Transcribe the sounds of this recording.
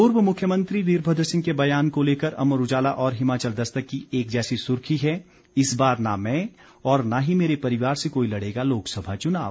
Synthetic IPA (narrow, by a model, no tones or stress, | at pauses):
pʊɾwəmʊkʰjəmə̃nt̪ɾid̪iːɾbʱəd̪ʱsɪ̃ŋɡkebɐjaːnkoleːkəɾɐ̰məɾʊd͡ʒaːlaʔɔːɾɦɪmaːt͡ʃəld̪ɐst̪əkːieːk̚d͡ʒɛːsisʊɾkʰiɦɛ | ɪsbaːɾnamɛ̃ | ɔːɾnaɦimeːɾepɐɾɪʋaːɾsekoːilɐɽ̤eːɡaloːksɐbʱat͡ʃʊna̰ːʋ